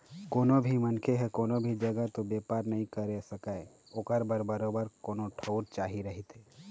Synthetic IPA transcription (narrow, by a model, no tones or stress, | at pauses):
koːnobʱimənkʰeɦɛkoːnobʱid͡ʒɐɡət̪obeːpaːɾnɐɦĩkəɾesəkae | oːkəɾbəɾbəɾoːbəɾkoːnoʈʰəʊɾt͡ʃaːɦiɾɐɦit̪e